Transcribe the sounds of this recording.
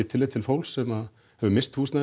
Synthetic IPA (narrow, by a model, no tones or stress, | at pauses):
ɪt̪ʰɪlejt̪ʰɪlfowlsːɛmað | hɛvʏmɪst̪huːsna